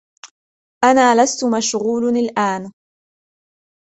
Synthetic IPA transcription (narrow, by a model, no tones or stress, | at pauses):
ʔanaːlast̪ʊmaʃɣuːlnalʔaːn